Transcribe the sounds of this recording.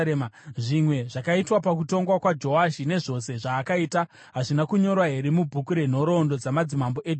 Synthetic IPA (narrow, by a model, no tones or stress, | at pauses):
mʐimwe̞ʐakaitwapakuto̞ŋɡwakwad͡ʒo̞waʃine̞ʐo̞se̞ʐaːkaiːta | ɦaʐinakuɲo̞ɾwaɦeɾemubʱukuɾe̞n̤o̞ɾo̞ndo̞d͡zamad͡zimambo̞ʔed